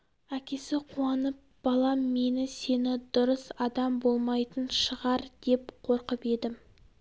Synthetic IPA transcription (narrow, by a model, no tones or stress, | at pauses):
ækʲe̞sɪqʰuɑnəp̚b̥ɑlˠɑme̞nɪse̞nɪd̪ʊɾəsɑd̪ɑmbo̞lˠmɑjt̪ənʃəʁɑɾd̪̥e̞p̚qʰo̞ɾqəpe̞d̪ɪm